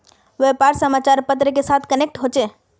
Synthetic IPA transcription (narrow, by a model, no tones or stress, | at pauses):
ʋepaɾsəmat͡ʃaɾpət̪ɾəkesat̪ʰkənek̚ʈɦot͡ʃe